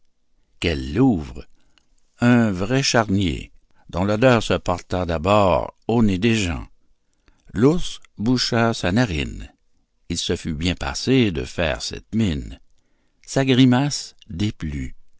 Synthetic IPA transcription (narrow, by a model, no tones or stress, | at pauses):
kɛlːuvʁ | ɛ̃vʁɛʃaʁnjḛ | d̪ɔ̃lɔd̪œːʁsəpɔʁt̪ad̪abɔːʁoned̪eʒɑ̰̃ | lusbuʃasanaʁḭn | ilsəfybjɛ̃pa̰sed̪ə̰fɛ̰ːʁsɛ̰t̪min | saɡʁimasd̪eply